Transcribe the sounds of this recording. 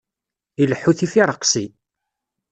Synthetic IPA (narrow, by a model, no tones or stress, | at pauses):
iləħːuθifiɾˤəqsi